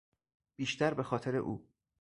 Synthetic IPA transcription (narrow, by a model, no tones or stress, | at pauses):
b̥iːʃt̪æɾbe̞xɒːt̪ʰeɾe̞̰ʔṵː